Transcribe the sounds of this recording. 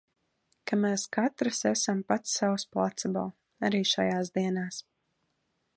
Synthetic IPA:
kameːskat̪ɾɨsɛsampat̪sːawsplˠat̪sabɔ̰lˠ | aɾiːʃajaːzd̪iɛnaːs

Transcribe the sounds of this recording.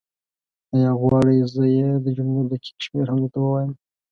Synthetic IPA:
ajɑɣwɑɽəjzəjed̪əd͡ʒʊmlud̪əkʰi̥kʃmeɾhand̪ot̪awəwɑjəm

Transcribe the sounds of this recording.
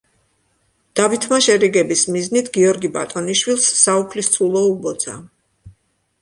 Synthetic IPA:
d̪̥avit̪ʰmaʃɛɾiɡɛbismiznit̪ʰɡiɔɾɡiba̰t̪ʼɔniʃwilˠsːaupʰlist̪sʰulˠɔubɔd̪zsʰa̰

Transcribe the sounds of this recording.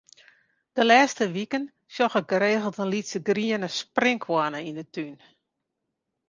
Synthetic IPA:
d̥əlɛːstəʋikən | sjɔxək̚ɡəɾeːɣəl̩ˠtənlitsəɡriənəsprɪŋkʰwanəindətyn

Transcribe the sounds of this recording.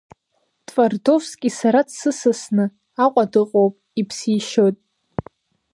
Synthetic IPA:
tʼvardo̞vskʲʼisaɾadsɨsɨsnɨ | aqʷʼadɨqʼowpʼipʰsiʃojtʼ

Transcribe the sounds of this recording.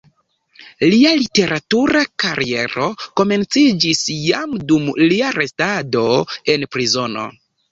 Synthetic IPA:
lialite̞ɾʔatuɾakaɾie̞ɾo̞ko̞me̞nt͡sid͡ʒisjamdumliaɾe̞stado̞e̞npɾizo̞no̞̰

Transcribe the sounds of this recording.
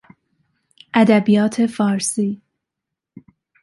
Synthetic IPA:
ʔæd̪æbijɒːt̪ʰe̞fɒːɾsiː

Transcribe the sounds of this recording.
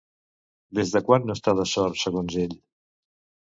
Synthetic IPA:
d̪ezðəkwanːost̪aðəsɔɾt̪səɣonzeʎ

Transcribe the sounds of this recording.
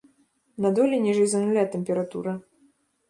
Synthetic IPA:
nad̪ɔlʲinʲɛʐɨjzɐnulʲat̪ɛmʲpʲɛɾat̪uɾɐ

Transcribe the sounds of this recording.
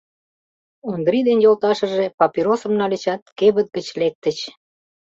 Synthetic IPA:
ond̪ɾid̪enjolt̪ɑʃə̆ʒepɑpiɾosə̆mnɑlit͡ɕɑt̪̚keβət̪̚ɡət͡ɕlek̚t̪ət͡ɕ

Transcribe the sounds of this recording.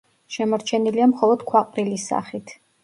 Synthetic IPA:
ʃɛmɔɾt͡ʃʰɛniliamχɔlˠɔd̪̥kʰwaqʼɾilisːa̰χit̪ʰ

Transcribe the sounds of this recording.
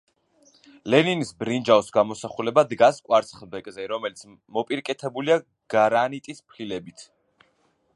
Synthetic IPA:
lɛninisbɾind͡ʒavsɡamɔsaχulɛbad̪ɡaskʼwaɾt̪sʰχlbɛkʼzɛɾɔmɛlit̪sʰ | mɔpʼiɾkʼɛt̪ʰɛbulia | ɡ̥aɾanit̪ʼispʰlilɛbit̪ʰ

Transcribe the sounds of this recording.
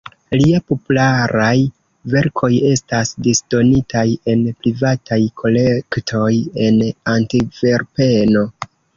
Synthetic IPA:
liapo̞pulaɾaj | ve̞ɾkʰo̞je̞stasdisd̥o̞nitaje̞npɾivatʰajkʰo̞lektʰo̞je̞nantive̞ɾpe̞no̞

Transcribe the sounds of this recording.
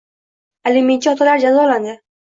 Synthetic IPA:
eliment͡ʃʰiɒt̪ʰalaɾd͡ʒazɒland̪ɪ

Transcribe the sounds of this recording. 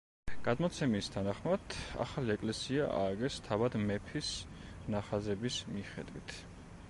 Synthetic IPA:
ɡ̥ad̪mɔt̪sʰɛmist̪ʰanaχmad̪a̰χaliɛkʼlɛsiaʔa̰ːɡɛst̪ʰavad̪mɛpʰis | naχazɛbismiχɛ̰d̪wḭt̪ʰ

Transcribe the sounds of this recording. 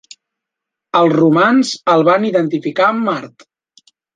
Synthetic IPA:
əlˠzrumanzəlˠβaniðənt̪ifikaəmːaɾt̪

